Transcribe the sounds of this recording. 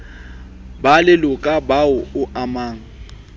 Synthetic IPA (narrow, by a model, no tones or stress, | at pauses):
balɪlʊkʼabaʊʊamaːŋ̩